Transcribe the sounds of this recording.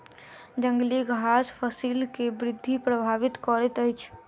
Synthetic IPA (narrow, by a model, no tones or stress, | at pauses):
d͡ʒə̃ŋɡliɡʱɦaspʰəsilkebɾɪd̪ʱːipɾəbʱaʋɪt̪kɔɾɛt̪əjt͡ʃʰ